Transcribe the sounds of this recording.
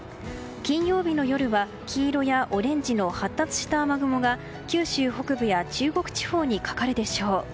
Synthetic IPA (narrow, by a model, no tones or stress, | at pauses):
kʲĩɰ̃jo̞ːbʲino̞jo̞ɾɯ̟βa | kʲʰiːɾo̞jaʔo̞ɾẽ̞ɲd͡ʑino̞hat̪ːat͡sɨ̥ɕi̥t̪aːmaɡɯ̟mo̞ɡa | kʲɨːɕɨːho̞kɯ̟bɯ̟jat͡ɕɨːɡo̞kɯ̟̥t͡ɕi̥ho̞ːɲ̟ikḁkaɾɯ̟d̪e̞ɕo̞ː